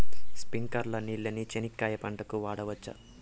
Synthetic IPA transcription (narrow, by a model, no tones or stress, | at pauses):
spiŋkɐɾlɐniɭːɐnit͡ʃenikːaːjɐpɐɳʈɐkuʋaːɽɐʋɐt͡ʃːɐ̰